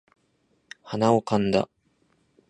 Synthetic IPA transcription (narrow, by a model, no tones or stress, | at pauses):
hanaokãnd̪a̰